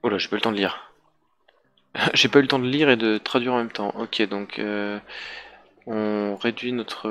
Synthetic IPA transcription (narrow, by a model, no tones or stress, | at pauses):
olaʒepaylət̪ɑ̃d̪əliːʁ | ʒepaylət̪ɑ̃d̪əliʁed̪ət̪χad̪ɥiʁɑ̃mɛmt̪ɑ̃ʔɔkʲed̪ɔ̃kʰø | ɔ̃ʁed̪ɥinɔt̪χə